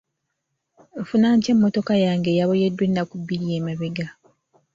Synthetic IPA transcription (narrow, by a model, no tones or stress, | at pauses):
efunaːɲce̞mːoto̞kajaːŋɡe̞jaβojedːwenːakubːiɾijeːmaβeɡa